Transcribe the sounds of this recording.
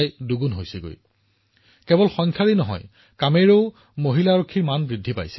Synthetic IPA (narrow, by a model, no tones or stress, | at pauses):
jduɡunɦojsɛɡo̰j | kɛbɔlxɔŋkʰjaɹinɔɦɔ̰j | kameɹeʊ | moɦilaɹokʰːiɹmanbɹidʱːipa̰jsɛ̥